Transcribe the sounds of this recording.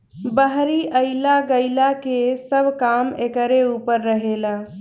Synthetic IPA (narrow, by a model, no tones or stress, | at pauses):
bəɦɾiʔəɪlaɡəɪlakesəbʱkamekəɾeupəɾːəɦela